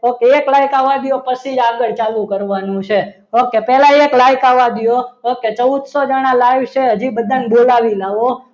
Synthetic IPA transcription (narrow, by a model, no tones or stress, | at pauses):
okeeklajkaʋad̪ijopəsid͡ʒaɡəɭt͡ʃalũkəɾʋanũt͡ʃʰe | okepɛlãeklajkaʋad̪ijoɦoket͡ʃəwd̪sod͡ʒəɽ̃ãlajʋt͡ʃʰeɦəd͡ʒibəd̪ʱanbolaʋilaʋo